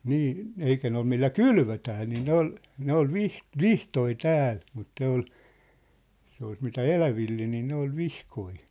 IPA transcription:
niː eikæ ne ol milːæ kylʋøtæː niː ne ol ne ol ʋih ʋihtoi tæːl mut ne ol se ois mitæ elæʋilːe niː ne ol ʋihkoi

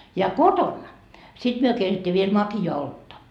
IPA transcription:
jɑ kotonːɑ sit myø keitetʲːiː ʋiel mɑkiɑː oltːɑ

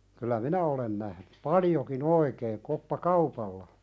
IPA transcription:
kylˑæ minæ olen næhny pɑljokin oikeːn̆ kopːɑkɑupɑlːɑ

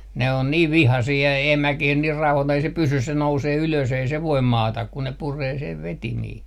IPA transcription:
ne on niːʋ ʋihɑsiː jɑ emækih niːr rɑuhɑtoi ei se pysys se nouseː yløs ei se ʋoim mɑːtɑ kun ne pureː seʋ ʋetimiː

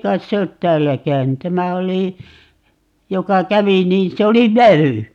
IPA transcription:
kɑit se ot tæːlːæ kæyny tæmæ oli jokɑ kæʋi niːn se oli ʋæw̆y

